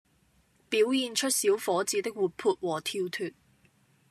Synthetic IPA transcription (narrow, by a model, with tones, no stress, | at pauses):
piː˨˥wjiː˨nt͡ʃʰɵ˥t̚siː˨˥wfɔː˨˥t͡siː˨˥t̪ɪ˥k̚wuː˨˩t̚pʰuː˧t̚wɔː˨˩t̪ʰiː˧wt̪ʰyː˨t̚